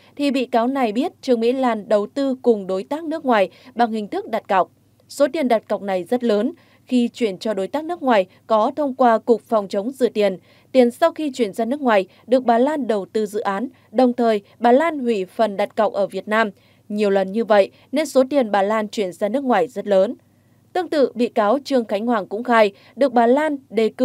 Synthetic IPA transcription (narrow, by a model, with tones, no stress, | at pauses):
t̪ʰi˨˩ɓḭ˧˨kaː˨˦wna˨˩jɓi˦˥ət̚t͡ɕɨ˨˩əŋmḭ˧˥laː˨˩nɗə˨˩wt̪ɨ˧kʊ˨˩ŋ͡mɗo˨˦jt̪aː˦˥k̚nɨ˦˥əkŋwaː˨˩jɓa˨˩ŋhï˨˩ŋ̟t̪ʰɨ˦˥k̚ɗa˨˩t̚ka˨˩wk͡p̚ | so˨˦t̪i˨˩ənɗa˨˩t̚ka˨˩k͡p̚na˨˩jzə˦˥t̚ləː˨˦n | xi˧t͡ɕwi˧˩ənt͡ɕɔ˧ɗo˨˦jt̪aː˦˥k̚nɨ˦˥ək̚ŋwaː˨˩j | kɔ˨˦t̪ʰə˧wŋ͡mkwaː˧kʊ˨˩k͡p̚fɔ˨˩wŋ͡mt͡ɕə˨˦wŋ͡mzɨ̰˧˨t̪i˨˩ən | t̪i˨˩ənsa˧wxi˧t͡ɕwi˧˩ənzaː˧nɨ˦˥əkŋwaː˨˩j | ɗɨ˨˩ək̚ɓaː˨˩laː˧nɗə˨˩wt̪ɨ˧zɨ̰˧˨ʔaː˨˦n | ɗə˨˩wŋ͡mt̪ʰəː˨˩j | ɓaː˨˩laː˧nhwḭ˧˩fə˨˩nɗa˨˩t̚ka˨˩wk͡p̚ʔəː˧˩vi˨˩ət̚naː˧m | ɲi˨˩əwlə˨˩nɲɨ˧və̰˧˨jʔ | ne˧nso˨˦t̪i˨˩ənɓaː˨˩laː˧nt͡ɕwi˧˩ənzaː˧nɨ˦˥ək̚ŋwaː˨˩jzə˦˥t̚ləː˨˦n | t̪ɨ˧əŋt̪ɨ̰˧˨ɓḭ˧˨kaː˨˦wt͡ɕɨ˧˩əŋxa˨˦jŋ̟hwaː˧˩ŋkʊ̰˧˥ŋ͡mxaː˧j | ɗɨ˨˩ək̚ɓaː˨˩laː˧nɗe˨˩k